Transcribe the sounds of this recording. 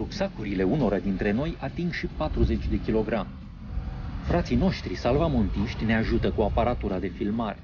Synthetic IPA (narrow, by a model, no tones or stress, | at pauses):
ɾupsakuɾile̞uno̞ɾad̪int̪ɾe̞no̞jat̪iŋɡʃipat̪ɾuze̞t͡ʃʲd̪e̞kʲilo̞ɡɾam | fɾat̪sijno̞ʃt̪ɾisalvamont̪iʃt̪ʲne̞aʒut̪əkuapaɾat̪uɾad̪e̞filmaɾe